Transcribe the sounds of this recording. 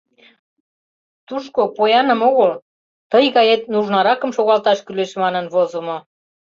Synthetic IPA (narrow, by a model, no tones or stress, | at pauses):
t̪uʃkopojɑnə̆moɣəl | t̪ɤjɣɑjet̪nuʒnɑɾɑkə̆mʃoɣɑlt̪ɑʃkyleʃmɑnə̆nvozŏmo